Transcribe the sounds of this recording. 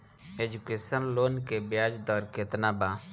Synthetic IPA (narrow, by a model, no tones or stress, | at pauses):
eːd͡ʒʊkeːsənloːnkebɪjaːd͡ʒd̪ɔːɾket̪naːbaː